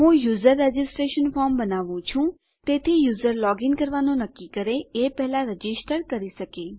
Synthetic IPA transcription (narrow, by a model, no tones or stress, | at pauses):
ɦũjuzəɾːed͡ʒɪsʈɾeʃənfɔɾmbənaʋũt͡ʃʰũ | t̪et̪ʰijuzəɾlɔɡɪnkəɾʋanõnəkːikəɾeepɛɦɛlãɾəd͡ʒisʈəɾkəɾiʃəke